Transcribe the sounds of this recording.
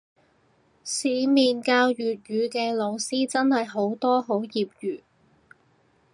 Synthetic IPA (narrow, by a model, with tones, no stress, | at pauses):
siː˨˧˥miː˨nkaː˧wjyː˨t̚jyː˨˧kɛː˧lo˨˧wsiː˥t͡sɐ˥nhɐ˨jɦo˨˥wt̪ɔː˥ɦo˨˥wjiː˨p̚jyː˨˩